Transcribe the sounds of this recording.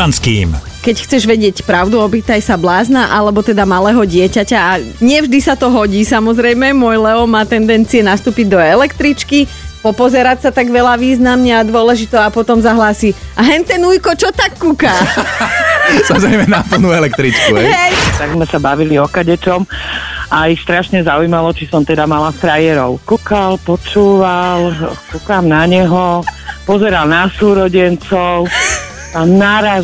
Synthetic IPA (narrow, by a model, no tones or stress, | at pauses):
anskḭːm | kɛcxt͡sɛʒʋɛɟɪɛcpɾaʊd̪uɔpit̪ajsablaːznaʔalɛbɔt̪ɛd̪amalɛːɦɔɟɪɛcacaaɲɪɛvʒd̪isat̪ɔɦɔɟiːsamɔzɾɛjmɛmʊɔjlɛɔmaːt̪ɛnd̪ɛnt͡siɛnast̪uːpiɟd̪ɔɛlɛkt̪ɾit͡ʃkipɔpɔzɛɾacsat̪aɡʋɛlaʋiːznamɲɛad̪ʋʊɔlɛʒit̪ɔapɔt̪ɔmzaɦlaːsiaɦɛnt̪ɛnuːjkɔt͡ʃɔt̪akːukaː | samɔzɾɛjmɛnapl̩ˠnuɛlɛk̚t̪ɾit͡ʃkuɦɛjɛjt̪aɡzmɛsabaʋiliɔkaɟɛt͡ʃɔmʔaixst̪ɾaʃɲɛzaujmalɔt͡ʃisɔmt̪ɛd̪amalafɾajɛɾɔʊkukalpɔt͡ʃuːʋalkukamnaɲɛɦɔpɔzɛɾalnasuːɾɔɟɛnt͡sɔʊ | anaɾa